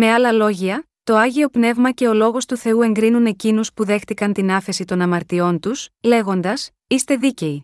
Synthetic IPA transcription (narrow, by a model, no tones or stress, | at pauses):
me̞ɐlɐlo̞ʝiɐ | t̪o̞ɐʝio̞pne̞vmɐce̞o̞lo̞ɣo̞st̪uθe̞ue̞ŋɡɾinune̞cinuspuðe̞xt̪ikɐnt̪inɐfe̞sit̪o̞nɐmɐɾt̪io̞nt̪usle̞ɣo̞nd̪ɐs | ist̪e̞ðice̞i